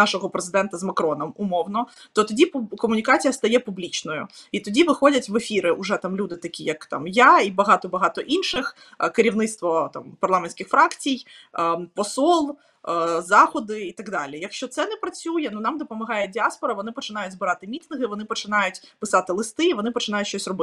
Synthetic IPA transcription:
nɑʃɔɦɔpɾezɪd̪ɛnt̪ɐzmɐkɾɔnɔmʊmɔwnɔt̪ɔt̪ɔdʲipkɔmʊnʲikat͡sʲijɐst̪ɐjɛpublʲit͡ʃnɔjʊ̰it̪ɔdʲiʋɪxɔdʲɐtʲʋefʲiɾɪʔʊʐɛt̪amlʲud̪ɪt̪ɐkʲijɐkt̪ɑ̰mjaibɐɦɑt̪ɔbɐɦɑt̪ɔʔinʃɪx | kɪɾʲiwnɪt̪st̪ʋɔt̪a̰mpɐrlˠɑmenʲsʲkɪxfɾɑkt͡sʲij | pɔsɔlˠ | zɑxɔd̪ɪit̪ɐɡd̪ɑlʲijɐkʃt͡ʃɔt̪sɛnɛpɾɐt͡sʲujɛnunɑmd̪ɔpɔmɐɦɑjɛdʲiaspɔɾɐʋɔnɪpɔt͡ʃɪnɑjʊtʲzbɪɾɑt̪ɪmʲit̪nɪɣɪʋɔnɪpɔt͡ʃɪn̪ɑjʊtʲpɪsɑt̪ɪlˠɪst̪ɪiʋɔnɪpɔt͡ʃɪnɑjʊtʲʃt͡ʃɔsʲrɔbɪ

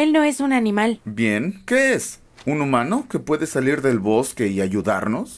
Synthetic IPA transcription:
e̞lno̞e̞sunanĩmalbje̞ŋke̞es | unumãno̞ke̞pwe̞ðe̞saliɾðe̞lβo̞ske̞iaʝuða̰ɾno̞s

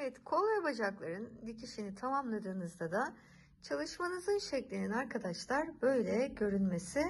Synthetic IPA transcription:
evɛt̪kʰo̞lˠvɛbad͡ʒaklˠaɾɯnd̪icʰiʃinit̪ʰamamlˠad̪ɯːnɯzd̪ad̪a | t͡ʃʰalˠɯʃmanɯzɯnʃɛclʲininaɾkʰad̪aʃlˠaɾbø̞jlʲɛɟø̞ɾynmesɪ

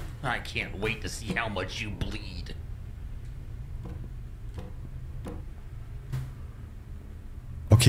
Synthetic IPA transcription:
aɪkʰæ̃nʔweɪtʰɨsihaʊmʌt͡ʃjɨblid̥ | oʊkʰ

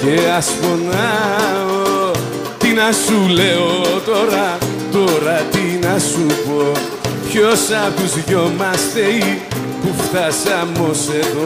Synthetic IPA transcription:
ceɐsfona | o | t̪inɐsuleot̪o̞ɾɐ | t̪oɾɐt̪inɐsupo | pçosɐpuzʝomɐst̪ei | puft̪ɐsɐmoseðo

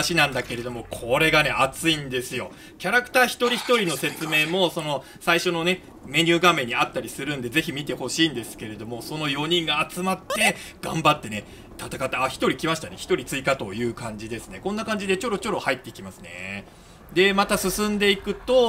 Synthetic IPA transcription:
ɕinãnd̪ake̞ɾe̞d̪o̞mo̞kʰo̞ɾe̞ɡane̞ʔat͡sɨĩnd̪e̞sɨjo̞ | kʲaɾakɯ̟̥t̪aːçi̥t̪o̞ɾʲiçi̥t̪o̞ɾʲino̞se̞t͡sɨme̞ːmo̞so̞no̞ | saiɕo̞no̞ne̞ | me̞ɲ̟ɨːɡame̞ɲ̟ːiat̪ːaɾʲisɨɾɯ̟̃nd̪e̞ze̞çimʲit̪e̞ho̞ɕiːnd̪e̞sɨ̥ke̞ɾe̞d̪o̞mo̞so̞no̞jo̞ɲ̟ĩŋɡaːt͡sɨmat̪ːe̞ | ɡ̥ã̰mbat̪ːe̞ne | t̪at̪akat̪ːeaçi̥t̪o̞ɾʲikʲimaɕi̥t̪ane̞̰çi̥t̪o̞ɾʲit͡sɨikat̪o̞jɯ̟ːkãɲ̟d͡ʑid̪e̞sɨne̞ko̞nːakãɲ̟d͡ʑid̪e̞t͡ɕo̞ɾo̞t͡ɕo̞ɾo̞hait̪ːe̞ikʲimasɨ̥ne̞̰ | d̪e̞mat̪asɨsɨ̃nd̪e̞ikɯ̟t̪o̞

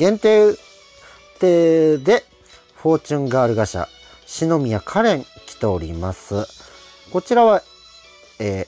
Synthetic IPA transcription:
ɡ̥ẽ̞nt̪e̞ː | t̪e̞ːd̪e̞ | ɸo̞ːt͡ɕɨ̃ŋɡaːɾɯ̟ɡaɕa̰ | ɕino̞mʲijakʰaɾẽ̞ŋkʲi̥t̪e̞o̞ɾʲḭmasɨ | ko̞t͡ɕiɾaβa | eː

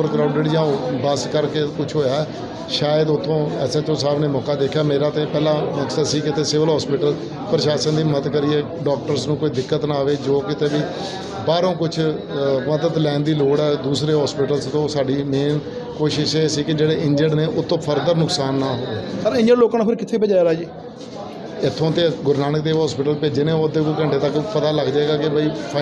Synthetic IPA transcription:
əɾkɾaːʊɳɖeɖjãːbəskəɾkeːkʊt͡ʃʰɦoːjaɛ | ʃaːjəd̪ʊt̪ʰːõːɛsɛːt͡ʃõːs̬aːbneːmɔːkaːd̪eːkʰjaːmeːɾaːt̪eːpɛːlãːməksasiːkɪt̪eːsɪʋəlɦɔːspɪʈəl | pɾəʃaːʃənd̪iːmət̪kəɾɪeː | ɖɔːk̚ʈəɾsnũːkoːiːd̪ɪkːət̪naːʋeːd͡ʒoːkɪt̪eːʋiː | baːɾõːkʊt͡ʃʰ | məd̪əd̪lɛːnd̪iːloːɽɛːd̪uːsɾeːɦɔːspɪʈəlst̪õːsaːɖiːmeːn | koːʃɪʃeːsiːkɪd͡ʒeːɽeːɪ̃ɲd͡ʒəɖneːʔʊt̪ʰːõːpʰəɾd̪əɾnʊksaːnːaːɦoːʋeːsəɾɪ̃ɲd͡ʒəɖloːkãːnapʰɪɾkɪt̪ʰeːbəd͡ʒaːjaːɾaːd͡ʒiː | ɪt̪ʰːõːt̪eːɡʊɾnaːnək̚d̪eːʋɦɔːspɪʈəlpeːd͡ʒɪnẽːoːd̪eːkokəɳʈeːt̪əkpət̪aːləɡd͡ʒaːeːɡaːkɪbaːiːpʰa

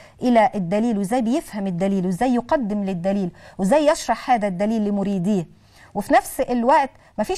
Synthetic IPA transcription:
ʔɪlæʔɪd̪ːæliːlwɪzæːjbɪjɪfhæmɪd̪ːæliːlwɪzːæjːʊqɑd̪ːɪmlɪd̪ːæliːlwɪzæjʔɑʃɾˤɑħhaːd̪æd̪ːæliːlːimʊɾiːd̪iː | wɪfinæfsʔɪlwaʔt̪ | mæfiː

